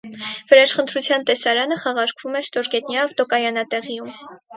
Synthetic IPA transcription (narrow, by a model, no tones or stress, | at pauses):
vəɾɛʃχənt̪ʰɾut͡sʰjɑnt̪ɛsɑɾɑnəχɑʁɑɾkʰv̥umɛʃt̪ɔɾɡɛt̪nʲjɑvt̪ɔkɑjɑnɑt̪ɛʁijum